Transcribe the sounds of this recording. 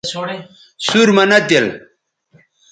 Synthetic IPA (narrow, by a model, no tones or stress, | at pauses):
suɾmɐnɐd̪el